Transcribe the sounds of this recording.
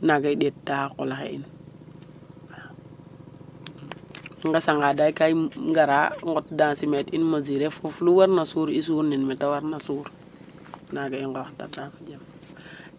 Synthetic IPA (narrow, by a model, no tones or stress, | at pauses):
naɡaiɗet̚dahakɔlaxḛḭn | iŋɡasaŋɡaːdajkajɡaɾaŋɡɔt̚dansimetinmoziɾefufluwaɾnasuːɾis̬uːɾninmetawaɾnasuːɾ | naɡaiŋɡaxta̰tafad͡ʒam